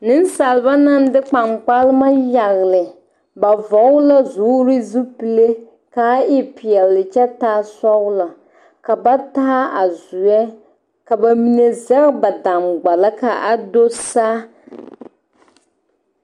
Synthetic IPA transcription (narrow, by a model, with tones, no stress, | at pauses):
nɪ˦n˦sa˨lɨ˨ba˦na˦n˦dɪ˦k͡pa˨ŋ͡mk͡pa˦lɪ˦ma˦ja˨ɣɪ˨lɪ˨ | ba˨vɔ˨ɣʊ˦la˦zuː˨˦ɾɪ˦zu˦pi˨le˦ | ka˨˦ʔɪ˦pɪ˨ɛ˨llɪ˨t͡ʃɛ˦taː˦sɔ˦ɣla˨ | ka˨ba˦taː˦a˨zʊ˨jɛ˦ | ka˨ba˨mi˨ne˨zɛ˦ɣba˨da˨mɡ͡ba˨la˦ka˨ʔa˨do˦saː˦